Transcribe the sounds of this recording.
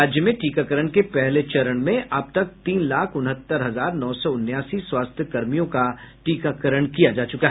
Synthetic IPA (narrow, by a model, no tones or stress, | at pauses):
aːd͡ʒjəmẽʈiːkakəɾəɽ̃kepɛɦlet͡ʃɐɾəɽ̃mẽʔɐb̚t̪ɐk̚t̪iːnlaːkʰʊnɦət̪ːəɾɦɐzaːɾnɔːsɔʊnːjaːsiswaːst̪ʰjəkɐɾmijõkaʈiːkakəɾəɳkijad͡ʒaːt͡ʃʊkaɦɛ